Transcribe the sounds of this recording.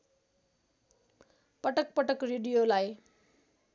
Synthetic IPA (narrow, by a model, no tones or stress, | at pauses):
pʌʈʌk̚pʌʈʌkreɖijolaj